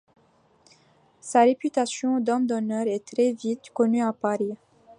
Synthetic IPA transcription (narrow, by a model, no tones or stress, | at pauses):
saʁepyt̪asjɔ̃d̪ɔmd̪ɔnœʁɛt̪ɾɛvit̪kɔnyapaʁi